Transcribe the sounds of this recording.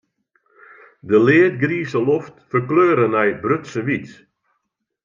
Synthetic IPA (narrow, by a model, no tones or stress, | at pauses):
dəlɪət̚ɡriːsəloftfərkløːɾənɛjbrøtsəʋit